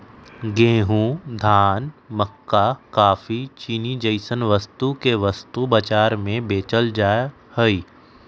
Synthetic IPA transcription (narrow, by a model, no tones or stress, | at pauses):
ɡẽːɦũd̪ʱaːnməkːakaːfit͡ʃinid͡ʒəɪsənʋɐst̪ukeʋɐst̪ubɐt͡ʃaːɾmẽbeːt͡ʃəld͡ʒaː | həiː